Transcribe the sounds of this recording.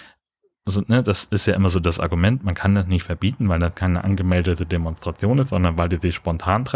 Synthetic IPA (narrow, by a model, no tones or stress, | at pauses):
zonədasɪstjaːʔɪmɐzoːdasʔa̰ɐɡumɛntmankʰandasnɪçtfɛɐbiːtn̩vaɪldaskʰaɪnəʔa̰nɡəmɛldətədemɔnstʁ̥at͡sjoːnɪstz̥ɔndɐnvaɪldiːzɪçʃpɔntʰaːntʁ̥ɛ